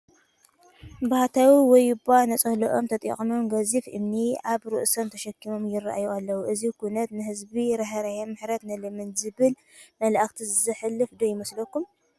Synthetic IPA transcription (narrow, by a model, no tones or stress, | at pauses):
bahat̪ʰawiwɔjːɪbanɐt͡sʼɐhlɐʔo̞mt̪ʰɐt̪ʼḭχʼmomɡɐzifʔɨ̰mniʔaβɾɨ̰ʔsomt̪ʰɐʃɐkʰːimo̞mjɪra̰ʔa̰joalːɐwuʔɨzikʰunɐt̪nɨhɨzbiɾɐɦɐɾajɐmːɨħɾɐt̪nɨlɨmɨnzɨβɨl | mɐlʔaxt̪ʰizɨzɨħɨlːɨfd̪ojɪmɐslɐkːum